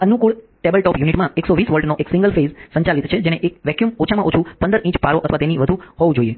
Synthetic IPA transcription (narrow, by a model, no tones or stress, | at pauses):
ənukuɭ | ʈebəlʈɔpjuniʈmãeksoʋisʋəɭʈnoʔeksĩŋɡəlfezsə̃ɲt͡ʃalit̪t͡ʃʰed͡ʒeñeʔek̚ʋɛkjumot͡ʃʰamãʔot͡ʃʰũpə̃nd̪əɾĩt͡ʃpaɾoʔət̪ʰʋat̪eniʋəd̪ʱũɦɔʋũd͡ʒoie